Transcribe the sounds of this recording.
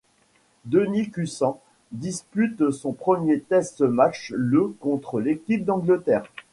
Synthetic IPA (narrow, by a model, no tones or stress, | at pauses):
d̪ənikʲysɑ̃ | d̪ispyt̪sɔ̃pχəmjet̪ɛst̪mat͡ʃləkɔ̃t̪χəlekʲip̚d̪ɑ̃ɡlət̪ɛːʁ